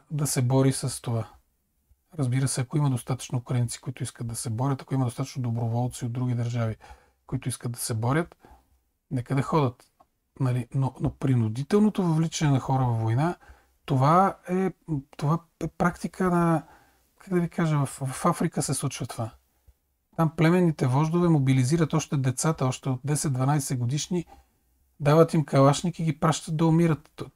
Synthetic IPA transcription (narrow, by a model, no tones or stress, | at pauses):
d̪ɐsɛbɔɾisɐst̪ova | ɾɐzbiɾəsɛɐkoimɐd̪ost̪at̪ə̥t͡ʃnoːkɾɐnit̪si̥koit̪ʊiskət̪d̪ɐsɛbɔɾʲət̪ɐ̥koimɐd̪ost̪at̪ət͡ʃnod̪obɾovɔlˠt̪siod̪̚d̪ɾuɡ̟ʲid̪ɐɾʒavi | koit̪oʊiskətd̪ɐ̥sɛbɔɾʲjət̪ | nɛkəd̪ɐxɔd̪ət̪ | nɐlinonopɾinʊd̪it̪ɛlˠnot̪ovɐvlit͡ʃɛnɛnɐxɔɾəvɐvvojna | t̪ovaɛt̪ova | ɛpɾakt̪ikʰənɐ | kaɡd̪ɐvikaʒəvɐfvɐfafɾikəsɛslˠut͡ʃvɐt̪ova | t̪amplɛmɛnːit̪ɛvɔʒd̪ovɛmobiliziɾət̪ɔʃt̪ɛd̪ɛt̪sat̪əɔʃt̪ɛot̪̚d̪ɛsɛt̪d̪vɐnajsɛɡod̪iʃni | d̪avət̪imkɐlˠaʃnikiɡipɾaʃt̪ət̪̚d̪ɐʊmiɾət̪